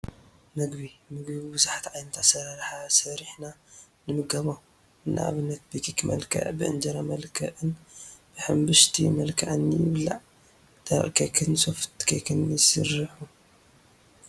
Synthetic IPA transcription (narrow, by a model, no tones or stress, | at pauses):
mɨɡbimɨɡbibɨzaħḁt̪ʕajnɐt̪ʰasɐɾaɾħasɐɾiħna | nɨmɨɡɐβo | ɨnːa̰ʔa̰βɨnːɐt̪̚bikikʰmɐ̰lkʰɐ̰ʕbɨʔɨ̰nd͡ʒɐɾamɐlkʰɐʔɨnb̥ɨħɨmbɨʃt̪ʰimɐlkʰaʕɨnjɪ̰βla̰ʕ | t̪ʰɐʔkʰɐkʰɨnsoft̪kʰɐkʰɨnjɪsɨrɨħu